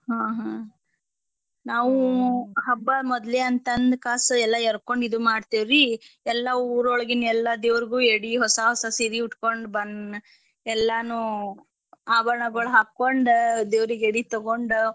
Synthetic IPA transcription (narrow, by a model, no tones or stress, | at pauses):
ɦãːɦã | naːʋuɦɐbːɐmɔd̪leɐnt̪ɐnd̪kaːsɐɛlːɐɛɾkoɳɖid̪umaːɖt̪iʋɾiɛlːɐuːɾɔɭɐɡinɛlːɐd̪eːʋɾiɡuːeɽiɦɔsɐɦɔsɐsiɾiuʈkoɳɖbɐn | ɛlːɐnu | aːbɐɾɐɳɐɡɐɭuɦaːkːoɳɖd̪eːʋɾiɡeɽit̪ɔɡoɳɖ